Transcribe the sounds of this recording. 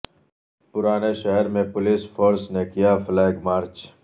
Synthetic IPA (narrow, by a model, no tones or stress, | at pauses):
pʊɾaːneʃɛɦɛɾmẽpʊlisfʰoːɾsnekijaflɛːɡmaːɾt͡ʃ